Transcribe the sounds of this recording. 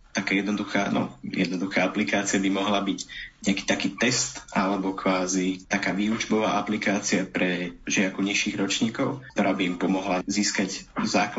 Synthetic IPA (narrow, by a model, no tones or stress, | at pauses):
t̪akaːjɛd̪nɔd̪uxa̰ːnɔ̰jɛ̰d̪nɔd̪uxaːaplikaːt͡siabimɔɦlabiɟɲɛaki̥ːt̪akiːt̪ɛst̪ʔalɛbɔkʋaːzit̪akaːʋiːud͡ʒbɔʋa̰ːʔaplikaːt͡siapɾɛʒɪakuɲiʃiːɣɾɔt͡ʃɲiːkɔʊkt̪ɔɾaːbiːmpɔmɔɦlaziːskaɟzaːk